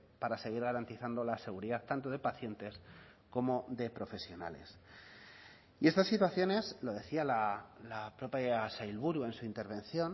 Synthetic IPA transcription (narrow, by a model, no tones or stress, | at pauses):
paɾase̞ɣ̞iɾɣaɾant̪iθand̪o̞lase̞ɣuɾiðat̪ːant̪o̞ðe̞paθje̞nt̪e̞s | ko̞mo̞ðe̞pɾo̞fe̞sjo̞na̰le̞̰s | ie̞st̪asːit̪waθjo̞ne̞zlo̞ð̞e̞θialalapɾo̞paasajlβuɾue̞nsuint̪e̞ɾβ̞ẽ̞nθjo̞n